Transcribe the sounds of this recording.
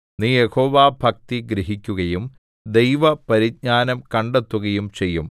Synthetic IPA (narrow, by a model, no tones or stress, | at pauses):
niːjeho̞ːʋaːbʱɐk̚t̪iɡɾiɦikʲːuɣɐjum | d̪e̞jʋɐpɐɾiɡ̚ɲaːnɐmkɐɳɖe̞t̪ːuɣɐjumt͡ɕe̞jːum